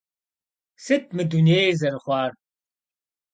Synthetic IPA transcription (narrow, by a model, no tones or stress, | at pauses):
sɨt̚ʰmɨduneːjzɐɾɨχʷɑːr